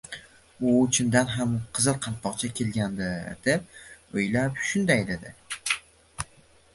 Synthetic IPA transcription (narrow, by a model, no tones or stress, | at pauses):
ʊt͡ʃʰɪnd̪anɦamqʰɨzɨlˠqʰɑnt̪̚pɒqt͡ʃʰakʲʰe̞lɡʲand̪ɪd̪e̞p̚ojlapʃʊnd̪ajd̪ed̪ɪ